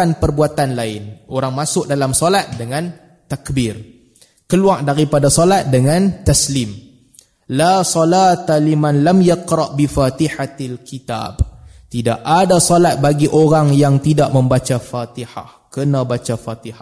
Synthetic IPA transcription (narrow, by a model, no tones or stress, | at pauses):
anpərbuat̪anlaɪnoɾaŋmasʊk̚dalamsolat̪̚dəŋãn | t̪akbɪr | kəluaʔdaɾipadasolat̪̚dəŋãnt̪aslim | lasɔlat̪alimãnlamjaqɾɑʔbifat̪iħaalkit̪a̰ːbt̪ida̰ʔadasɔlat̪̚baɡiʔoɾaŋjaŋt̪idaʔmə̃mbat͡ʃafat̪iha̰h | kənãbat͡ʃafat̪iha